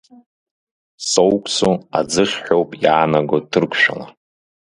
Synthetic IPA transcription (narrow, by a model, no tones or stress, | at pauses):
sowkʷʼsoad͡zɨχʲħʷᶣo̞wpʼjaːnaɡotʰɨrkʷʰʼʃᶣa̰la